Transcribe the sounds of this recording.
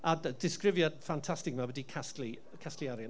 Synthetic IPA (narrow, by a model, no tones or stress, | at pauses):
addɪskrɪvjadfantʰastɪkmawədikʰastli | kʰastliaɾjan